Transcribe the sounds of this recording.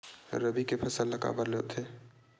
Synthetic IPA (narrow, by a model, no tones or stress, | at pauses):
ɾəbikepʰɐsəlːɐka̰ːbəɾlet̪ʰe